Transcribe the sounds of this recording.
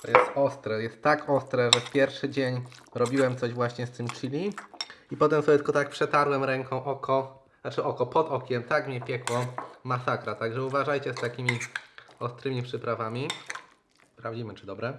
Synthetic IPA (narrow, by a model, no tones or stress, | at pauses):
t̪ɔjɛst̪ɔst̪ɾɛjɛst̪ːakɔst̪ɾɛʐɛfpʲjɛɾfʂɘd͡ʑeɲɾɔbʲiwɛmt̪sɔʑvwaɕɲɛst̪ɘmt͡ʂilʲiipɔt̪ɛmsɔbʲjɛt̪lkɔt̪ak̚pʂɛt̪aɾwɛmɾɛŋkʰɔ̃w̃ʔɔkʰɔ | nat͡ʂɘʔɔkɔpɔd̪ɔkʲɛmt̪akmʲɲɛpʲjɛkwɔmasakɾat̪aɡʐɛuvaʐajt͡ɕɛst̪akʲimʲiɔst̪ɾɘmʲipʂɘpɾavamʲi | spɾavd͡ʑimɘt͡ʂɘd̪ɔbɾɛ